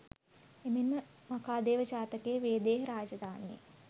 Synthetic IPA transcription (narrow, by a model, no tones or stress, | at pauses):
eminməmɐkaːd̪eːʋət͡ʃaːt̪əkeːʋeːd̪eːɦəɾaːd͡ʒɐd̪aːniḛ